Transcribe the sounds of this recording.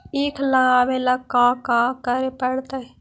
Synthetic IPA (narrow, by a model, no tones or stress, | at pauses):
ikʰlãabelakaːkãːkəɾepəɽt̪a